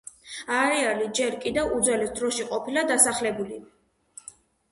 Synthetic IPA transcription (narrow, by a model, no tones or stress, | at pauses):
aɾɛalid͡ʒɛɾkʼid̪ɛvud̪zwɛlɛsd̪ɾɔʃiqʼɔpʰilad̪asaχlɛbuli